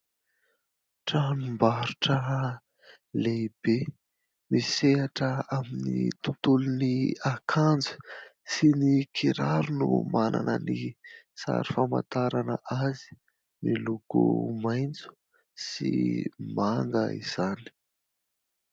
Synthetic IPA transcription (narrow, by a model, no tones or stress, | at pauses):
ʈ͡ʂamimbaɾuʈ͡ʂə | leib̥e | miseɦaʈ͡ʂəaminit̪ut̪uluniakʰand͡zu̥sinikʰiɾaɾunumanʔa̰nəni | sa̰ɾi̥fama̰t̪aɾanəʔazi̥ | milukumajnt͡su̥ | sḭmaŋɡəḭz̥ani̥